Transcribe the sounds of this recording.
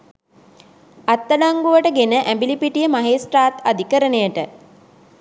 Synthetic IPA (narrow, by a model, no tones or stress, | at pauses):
at̪ːəlaŋɡuʋəʈəɡenəʔæmbilipiʈijəmaɦeːsʈɾaːt̪ad̪ikəɾənejəʈə